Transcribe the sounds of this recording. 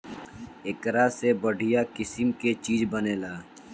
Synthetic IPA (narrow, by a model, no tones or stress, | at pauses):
ekɾasebəɽʱijakɪsɪmket͡ʃiːd͡ʒbəneːlaː